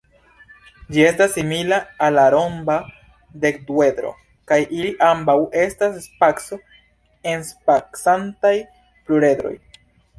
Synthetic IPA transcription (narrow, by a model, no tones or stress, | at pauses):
d͡ʒie̞stasːimilaːlaɾo̞mba | de̞kduwe̞d̪ɾo̞̰ | kajʔiliʔambawʔe̞stasspakso̞ | enspaksantaj | pluɾe̞d̪ɾo̞̰j